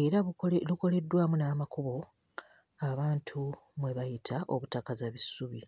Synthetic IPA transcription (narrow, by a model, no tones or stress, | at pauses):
e̞ɾaluko̞le̞dːwaːmunaːmakuβo̞ | aβaːntʰu | mwe̞βajitʰaʔo̞̰βutakazaβisuβi